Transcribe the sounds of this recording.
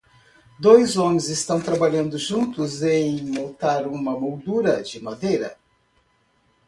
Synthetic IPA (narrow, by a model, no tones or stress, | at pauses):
d̪ojzõmẽj̃zɪst̪ɐ̃w̃t̪ɾabaʎɐ̃nd̪ʊʒũnt̪ʊzẽj̃mõwt̪aɾũmɐmowd̪uɾɐd͡ʒɪmad̪ejɾɐ̰